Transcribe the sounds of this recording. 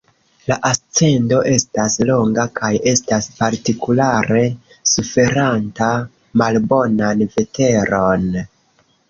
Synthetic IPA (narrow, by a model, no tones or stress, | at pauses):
laʔast͡se̞ndo̞ʔe̞staslo̞ŋɡakʰaje̞staspaɾtikulaɾe̞ | sufe̞ɾanta | malbo̞nanve̞te̞ɾo̞n